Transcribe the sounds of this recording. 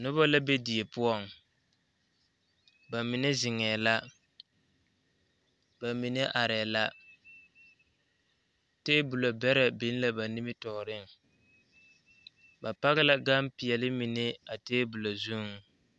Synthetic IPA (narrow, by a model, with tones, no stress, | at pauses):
nʊ˦βa˦la˦be˦di˨e˨pʊ˦ɔ˦˨ŋ | ba˨mɪ˨ne˦zɪ˨ŋɛː˨la˦ | ba˨mi˨ne˦ʔa˨ɾɛ˨la˦ | teː˦bʊ˨lo˨bɛ˦ɾɛ˨bi˦n˦la˦˨ba˨ni˦mɪ˦tɔː˨ɾɪ˦ŋ | ba˨pa˦ɣɪ˦la˦ɡa˦mpi˨ɛ˨lɪ˦mi˨ne˦a˨teː˦bʊ˨lo˨zu˦ŋ˦